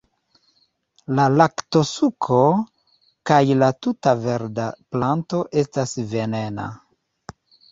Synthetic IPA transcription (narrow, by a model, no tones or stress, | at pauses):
lalakto̞sukʰo̞ | kajlatutave̞ɾdaplanto̞ʔe̞stasve̞ne̞na̰